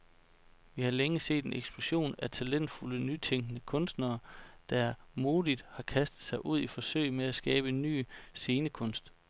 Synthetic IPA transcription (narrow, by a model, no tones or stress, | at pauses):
ʋihɑ̈leŋəse̝̰ːd̥e̝neɡ̥sb̥lo̝ɕo̝̰ːnæt͡sʰælen̰d̥fulənyt͡sʰeŋɡ̥ənəkʰɔ̽nsd̥nɐːd̥ææɐmo̝ːðˠid̥hɑ̈kʰæsd̥ð̩ˠsɑ̈ɪʔuð̰ˠifɒ̽sø̰ɪmeæsɡ̥ɛːb̥ənːy̰ːse̝ːnəkʰɔ̽n̰sd̥